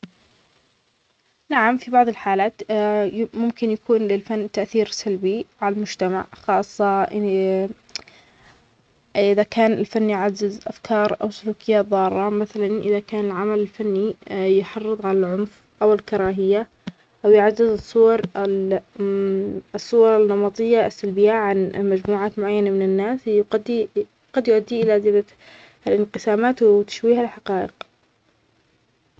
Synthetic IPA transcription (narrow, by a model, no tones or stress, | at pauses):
naʕamfibɑʕðˤɪlħaːlaːt̪ | mʊmkɪnjakuːnlɪlfanːt̪aʔθiːɾsalbiʕalalmʊd͡ʒt̪ama̰ʕxɑːsˤːɑʔ | ʔɪðakaːnɪlfanːjʕazːɪzʔafkʰɑːɾˤʔa̰wsʊluːkɪjːaːt̪ðˤɑːɾˤːɑmaθalanʔɪðakaːnɪlʕamalɪlfanːijħɑrˤːɨðˤʕalalʕʊmf | ʔawɪlkɑɾˤɑːɦɪjːa | ʔawjʕazːɪzɨsˤːʊwɑɾˤ | sˤːʊwɑɾˤɪnːɑmɑt̪ˤɨjːaʔɪsːalbɪjaʕanmad͡ʒmuːʕaːt̪mʊʕajːanamɪnɪnːaːsqad̪ːi | qɑd̪jʊʔad̪ːiʔɪlazɪla | lʔɪnqɨsaːmaːt̪wt̪ḁʃwiːhalħaqɑːʔɪq